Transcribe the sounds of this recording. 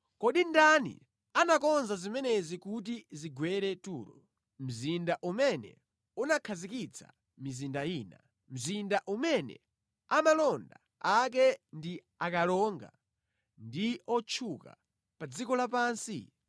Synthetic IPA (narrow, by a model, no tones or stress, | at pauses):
kɔɗindanḭ | anakɔnzazimɛnɛzikut̬iziɡwɛɾɛtuːɾɔ | m̩zindaʔumɛnɛ̰ | unakʰazikit͡sʰa̰ | mizindaiːna | m̩zindaʔumɛnɛ̰ | amalɔnda̰ | ak̬ɛndi | akalɔŋɡa̰ | ndiɔt͡ʃʰuka̰ | pad͡zikɔlapaːnsḭ